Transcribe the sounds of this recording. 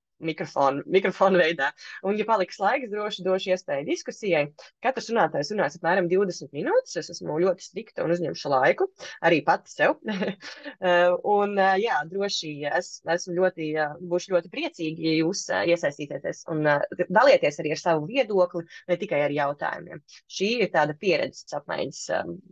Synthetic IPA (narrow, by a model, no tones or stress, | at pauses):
mikɾɔfɔːnmikɾɔfɔːnvɛjd̪aːunjapalˠikslˠajksd̪ɾuɔʃɪd̪uɔʃiɛspɛːjd̪iskusijajkat̪ɾsɾunaːt̪aːjsɾunaːjsapmæːɾamd̪iwd̪ɛsmɪt̪minuːt̪ɪ̥sɛsæsmʊlʲuɔt̪ɪ̥st̪ɾikt̪uṵnuzɲɛmʊʃlˠajkuaɾiːpat̪sɛw | unjaːd̪ɾuɔʃiæsæsmʊlʲuɔt̪ibuːʃlʲʎuɔt̪ipɾiɛt̪siːɡʲijuːsiɛsajst̪iːt̪eːt̪eɛsṵnd̪alˠiɛt̪iɛsaɾiːaɾsaʋuviɛd̪uɔklˠinɛt̪ikajaɾjawt̪a̰ːjṵmḭɛmʃiːiɾt̪aːd̪ɐpiɛɾɛ̰d̪z̥ssap̚ma̰ɪɲʲəs